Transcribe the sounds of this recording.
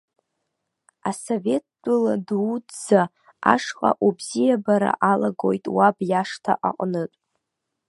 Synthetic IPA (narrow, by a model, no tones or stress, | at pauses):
asove̞t̚ʰdʼʊladdd͡za | a̰ʂqʼa̰ʔubzijabaɾa̰ʔalaɡo̞jtʼwabjaʂtʰa̰ʔaqʼnɨtʼ